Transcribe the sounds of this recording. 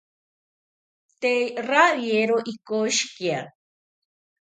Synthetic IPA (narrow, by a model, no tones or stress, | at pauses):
t̪ejraβjeɾoʔikoʃkia